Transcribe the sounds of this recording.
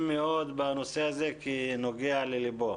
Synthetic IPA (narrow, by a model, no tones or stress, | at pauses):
miod̪banusezekinoɡealilibo